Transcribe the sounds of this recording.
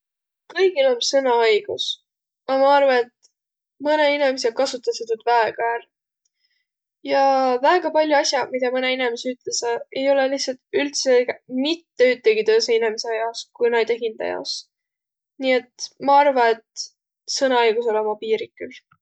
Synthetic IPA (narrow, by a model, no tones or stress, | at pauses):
kɤjɡ̥ilo̞nsɤnɑɑjɡ̥us | ɑmɑɑrvɑe̞t̪ | mɤneinemes̬ekɑsut̪ːˑɑset̪yt̪væeɡ̥ɑæːɾ | jɑvæːɡ̥ɑpɑlʲjuɑsʲjɑmid̪ɑmɤneinemeseyt̪lesɑe̞jo̞lelihsɑlt̪ylt̪semit̪ːeyt̪ːeɡit̪øːseinemeseɑjɑskujnɑjd̪eɦind̪̥ɑ̰jɑ̰os | niːe̞t̪mɑɑrvɑe̞t̪ | sɤnɑɑjɡ̥uso̞lomɑpiːɾikːˑyl